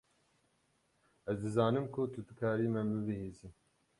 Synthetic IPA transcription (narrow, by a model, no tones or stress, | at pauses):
ɛzd̪ɨzɑːnɨmkʰut̪ʰud̪ɨkʰaːɾiːmɛmɨbɨhiːzɨm